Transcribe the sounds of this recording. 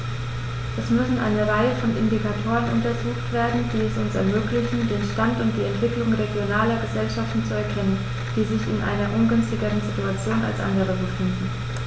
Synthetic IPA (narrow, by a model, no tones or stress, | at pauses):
ʔɛsmʏsn̩ʔa̰ɪnəʁaɪəfɔnʔɪ̰ndikatʰoːʁənʊ̰ntɐzuːxtv̥eːɐdn̩d̥iːɛsʊnsɛ̰ɐmøːklɪçn̩deːnʃtantʊntd̥iːɛntv̥ɪklʊŋʁeɡjonaːlɐɡəzɛlʃaftn̩t͡suɛɐkʰɛnən | d̥iːzɪçɪnʔa̰ɪnɐʔʊnɡʏnstɪɡəʁənzituat͡sjoːna̰lsʔa̰ndəʁ̞əbəfɪndn̩